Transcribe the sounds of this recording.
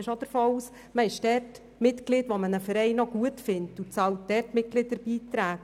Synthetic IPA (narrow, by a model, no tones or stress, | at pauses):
ɪʃod̥əɾfɑluːs | məɪʃd̥ɛrt | mɪtklɪdʋomənəfəɾɛɪnɔɡ̥uətfɪnttut͡sɑwtd̥ɛtmɪt̚kɡlɪdəɾb̥iːtɾæːk